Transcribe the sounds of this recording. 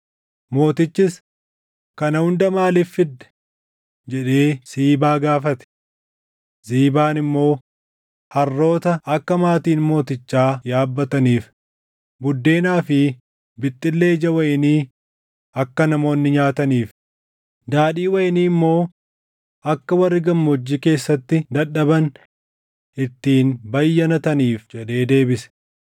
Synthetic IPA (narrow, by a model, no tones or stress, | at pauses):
mo̞ːt̪ɪt͡ʃːɪs | kɐnɐhʊnd̪ɐmaːlɪfːɪd̪ːɛ̥ | d͡ʒɛᶑe̞ːsiːbaːɡaːfɐt̪ɛ̥ | ziːbaːnɪmːo̞ː | hɐrːo̞ːt̪ɐɐkːɐmaːt̪iːnmo̞ːt̪ɪt͡ʃːaːjaːbːɐt̪ɐniːf | bʊd̪ːe̞ːnaːfɪ | bɪt̪ʼːɪlːe̞ːd͡ʒɐwɐʔɪniː | ɐkːɐnɐmo̞ːnːɪɲaːt̪ɐniːf | d̪aːᶑiːwɐjɪniːɪmːo̞ː | ɐkːɐwɐrːɪɡɐmːɔd͡ʒːike̞ːsːɐt̪ːɪd̪ɐᶑːɐbɐn | ʔɪt̪ːiːnbɐjːɐnɐt̪ɐniːfd͡ʒɛᶑe̞ːd̪e̞ːbɪsɛ̥